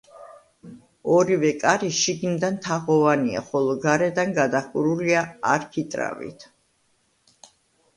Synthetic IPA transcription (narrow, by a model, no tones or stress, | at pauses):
ɔɾivɛkʼaɾiʃiɡnid̪ant̪ʰaʁɔvania̰χɔlˠɔɡaɾɛd̪anɡad̪akʼuɾuliaaɾkʰit̪ʼɾa̰vḭt̪ʰ